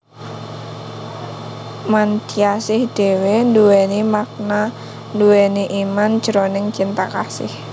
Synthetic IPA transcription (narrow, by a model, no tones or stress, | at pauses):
mant̪iasɪhd̥ewenduwenimak̚na | nduweniʔimand̥ʒ̥əɾonɪŋt͡ʃint̪akasɪ̰h